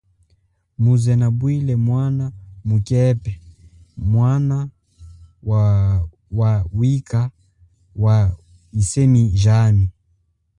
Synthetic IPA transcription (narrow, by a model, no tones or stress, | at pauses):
muzɛnabwilɛmwanamukɛpɛ | mwana | wa | wawika | wa | isɛmiʒani